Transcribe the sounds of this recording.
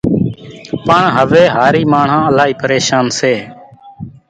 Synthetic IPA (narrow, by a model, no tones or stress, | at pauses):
pəɳɦəʋeːɦaːɾiːmaːɳ̤ãːəlaːiːpəɾeːʃaːnseː